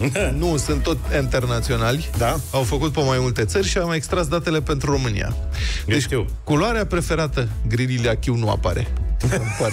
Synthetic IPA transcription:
nusɨnt̪ːo̞t̪ʲint̪e̞rnat̪sio̞nalʲd̪aawfəkut̪̚pemajmult̪e̞t̪sərʲʃiamekst̪ɾasd̪at̪e̞le̞pe̞nt̪ɾuro̞mɨnḭja̰d̪eʃt͡ʃʲikuloaɾeapɾe̞fe̞ɾat̪əɡɾilileakʲiwnua̰paɾe̞̰p

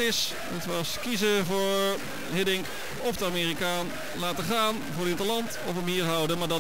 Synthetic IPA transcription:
ɪs | ətʋɑskizəvʊːɹ | ɦɪdɪŋk | ɔfdəaːmɪːrikaːn | laːtəχaːn | vʊːɹɾɪntəlɑntɔfəmɦiːrɦʌwdənmaːɹdɑ

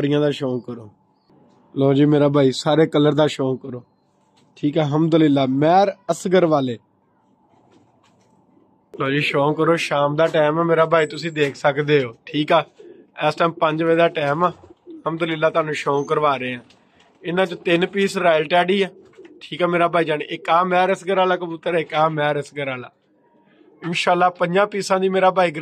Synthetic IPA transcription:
əɾɪjãːd̪aːʃoːkəɾoː | loːd͡ʒiːmeːɾaːbʱaːiːsaːɾeːkəlːəɾd̪aːʃoːkəɾoː | ʈʰiːkɛːɦəmd̪ʊlɪlːaːmɛːɾəsɡəɾʋaːleː | loːd͡ʒiːʃoːkəɾoːʃaːmd̪aːʈɛːmɛːmeːɾaːbʱaːiːt̪ʊsĩːd̪eːkʰsəkd̪eːɦoːʈʰiːkɛː | ɛːsʈʰaːmpəɲd͡ʒʋeːd̪aːʈɛːmɛːəmd̪əlɪlːaːt̪ʊaːnũːʃoːkəɾʋaːɾeːãː | ɪnãːt͡ʃot̪ɪnpiːsɾaːjlʈɛːɽiːɛː | ʈʰiːkɛːmeːɾaːbʱaːiːd͡ʒaːnɪkaːmɛːɾəsɡəɾaːlaːkəbuːt̪ːəɾːɪkaːmɛːɾəsɡəɾaːla̰ː | ɪnʃaːlːaːpəɲd͡ʒãːpiːsãːd̪iːmeːɾaːbʱaːiːɡɾ

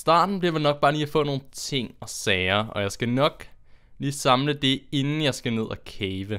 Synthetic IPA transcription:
sd̥ɑ̰̈ːd̥n̩b̥liɐʋenɒ̽ɡ̥̚b̥ɑːlḭːæfɔ̰̽ːno̝ːn̩t͡sʰe̝ŋ̰ɒ̽sɛːɐʔɒ̽jɑ̈ɪsɡ̥ænɒ̽ɡ̥liːsɑ̈mləd̥e̝e̝nn̩jɑ̈ɪsɡ̥æne̝ð̞̰ˠækʰɛːʋə

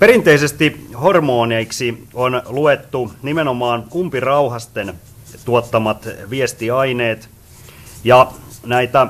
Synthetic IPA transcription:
peɾint̪eisest̪ihormoːneiksionluet̪ːunimenomɑːnkumpirɑuhɑst̪en | t̪uot̪ːɑmɑt̪ʋiest̪iɑineːt̪ | jɑnæit̪æ

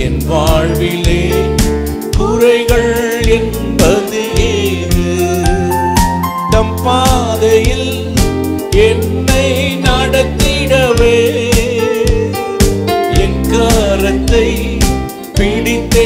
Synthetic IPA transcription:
ɛnʋaːɻʋɪleː | kʊɾɐɪɣɐɭ | ɛn | bɐðɯʔeː | ɾɯ | t̪ɐmpaːðɐjɪl | ɛnːɐɪ | nɐɽɐt̪ːɪɽɐʋeː | ɛnkaːɾɐt̪ːɐɪ | piɽɪt̪ːɐ

